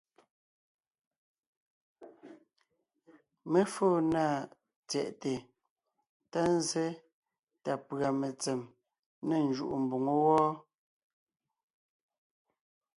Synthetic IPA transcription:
me˦foː˦˨na˦˨ | t͡sɛ˨ʔte˨ | ta˦n̩˦zɛ˦ | ta˨pɰa˨me˨t͡sɛ˨m | ne˨n̩˨d͡ʒu˦˨ʔu˨m̩˨bu˨ŋo˦wɔː˦

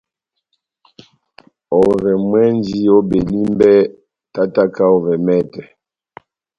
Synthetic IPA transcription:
ɔ˨vɛ˨mwɛ˦nd͡ʒi˦o˦be˨li˦mbɛ˦ | ta˦ta˦ka˦ɔ˨vɛ˨mɛ˦˨tɛ˨

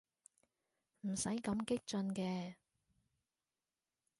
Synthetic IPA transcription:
m̩˨˩sɐ˨˥jkɐ˨˧˥mkɪ˥k̚t͡ʃɵ˧nkɛː˧

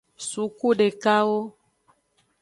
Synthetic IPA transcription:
su˨˦ku˦ɖe˨ka˦wo˦

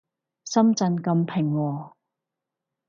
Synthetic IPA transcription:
sɐ˥mt͡sɐ˧nkɐ˧mpʰɪ˨˩ŋːɔː˨˧

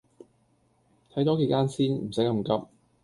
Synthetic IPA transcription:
t̪ʰɐ˨˥jt̪ɔː˨˥ke˨˩jkaː˥nsiː˥nm̩˨˩sɐ˨˥jkɐ˧˩mkɐ˥p̚

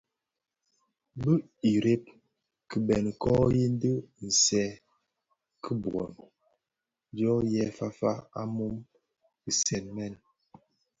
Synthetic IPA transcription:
bə˦ | i˨ɾe˦p̚ | kə˨bɛ˨n˨kɔ˦je˦n˦də˦n̩˨sɛ˦ | kʰə˦bwɔ̰˨n | djɔ˦jɛ˦fa˦fa̰˦a̰˦mu˦m | ki˨sɛ˨nmɛ˦˨n˨

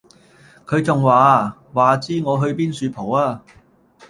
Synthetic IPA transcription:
kʰɵ˨˧ɥt͡sʊ˨ŋwaː˨˧ | waː˨t͡siː˥ŋɔː˨˧ɦɵ˧ɥpiː˥nsyː˧pʰo˨˩waː˧

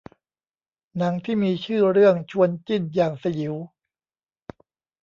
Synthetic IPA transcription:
na˩˦ŋt̪ʰiː˥˩miː˧t͡ɕʰɯː˥˩ɾɯ˥˩əŋt͡ɕʰu˧ənt͡ɕi˥˩njaː˨˩ŋsa˧ji˩˦w

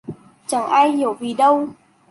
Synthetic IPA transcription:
t͡ɕa˧˩ŋʔaː˧jhi˧˩˨əwvi˨˩ɗə˧w

